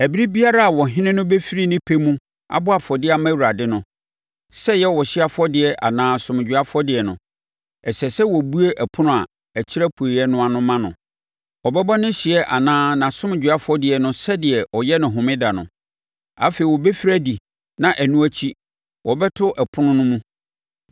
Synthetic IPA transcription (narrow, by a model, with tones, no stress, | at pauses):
æ˨bi˦ɾi˦bi˦a˦ɾa˦a˨wɔ˨ɦɪ̃˦nɪ̃˦nʊ̃˦be˦fi˦ɾi˦nɪ̃˦pʰe˦mũ˦ | a̰˨bʊ˦a˨fɔ˨dɪ˦a˨mã˦˨u˨ɾa˨dɪ˦nʊ̃˨ | sɛ˦jɛ˦wɔ˨ɕɪ˦a˦fɔ˦dɪ˨ɛ˨ʔa̰˨nãː˦sʊ̃˨m˨d͡ʑᶣɥa˦fʊ˦ɔ˦dɪ˨ɛ˨nʊ̰̃˨ | ɛ˨sɛ˨sɛ˦wɔ˨bu˦e˦ʔɛ˨pʰʊ˦nʊ̃˦a˨ | æ˨t͡ɕʰɪ˦ɾa˦pʰu˨e˨ɾi˨ɛ˦nʊ̃˦a˨nʊ̃˦mã˦nʊ̰̃˨ | ɔ˨bɛ˦bɔ˦nɪ̃˦ɕɪ˨ɛ˦ʔa̰˨nãː˦nã˨sʊ̃˦m˨d͡ʑᶣɥa˦fʊ˦ɔ˦dɪ˨ɛ˨nʊ̃˦sɛ˦dɪ˨ɛ˨ɔ˨jɛ˦nʊ̃˨ɦʊ̃˨mɪ̃˦da˨nʊ̰̃˨ | a̰˦fe˨i˨wɔ˨be˦fi˦ɾæ˦di˨ | nã˨ʔæ˨nũ˦æ˦t͡ɕʰi˦ | wɔ˨bɛ˦tʰʊ˦ʔɛ˨pʰʊ˦nʊ̃˦nʊ̃˦mũ˦